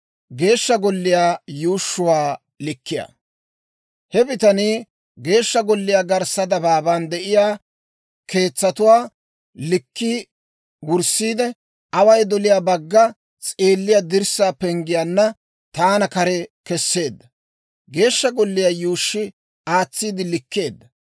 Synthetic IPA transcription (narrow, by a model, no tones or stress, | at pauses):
ɡe̞ːʃːɐɡɔlːɪjaːjuːʃːʊwaː | lɪkːɪja̰ | hɛbɪt̪ɐni | ɡe̞ːʃːɐɡɔlːɪjaːɡɐɾsɐd̪ɐbaːband̪ɛʔɪjaː | kʰe̞ːt͡sːɐt̪ʊwaː | lɪkːi | wʊɾsiːd̪ɛ | ʔɐwɐjd̪ɔlɪjaːbɐɡːɐ | t͡sʼeːlːɪjad̪ɪɾsaːpɛŋɡɪjaːnːɐ | t̪aːnɐkɐɾɛkɛsːe̞ːd̪ːɐ | ɡe̞ːʃːɐɡɔlːɪjaːjuːʃːɪ | aːt͡sːiːd̪ɪlɪkːe̞ːd̪ːɐ